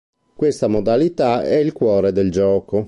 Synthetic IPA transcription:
kwest̪amod̪alit̪aɛilkwɔːɾed̪eld͡ʒɔːko

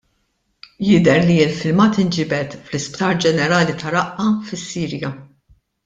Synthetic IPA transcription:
jɪd̪ɛɾliɪlfɪlmɐːt̪ɪnd͡ʒɪːbɛt̪flɪspt̪ɐːɾd͡ʒɛnɛɾɐːlit̪ʰɐɾɐʔɐfɪsːiːɾjɐ

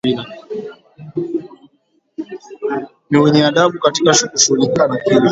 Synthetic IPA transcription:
ila | miwiniaɗaɓukatikaʃukuʃulikanakila

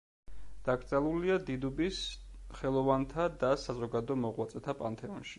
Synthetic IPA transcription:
d̪̥aɡɾt̪sʼɛlˠuliad̪id̪ubisχɛlˠɔvant̪ʰad̪asazɔɡad̪ɔmɔʁwat̪sʼɛt̪ʰapʼa̰nt̪ʰɛɔnʃi̥

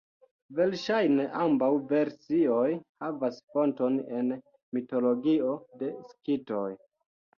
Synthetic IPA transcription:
ve̞lʃajne̞ʔambawve̞ɾsio̞jhavasfo̞nto̞ne̞n | mito̞lo̞ɡio̞de̞skito̞j

